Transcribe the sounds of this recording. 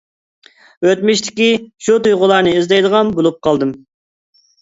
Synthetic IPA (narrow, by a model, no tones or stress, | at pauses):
wøt̪mɪʃt̪ʰɪ̥kʲiʃut̪ujʁʊlˠɑɾnɨizd̪ɛjd̪əʁɑnbolˠup̚qʰɑlˠd̪ɨm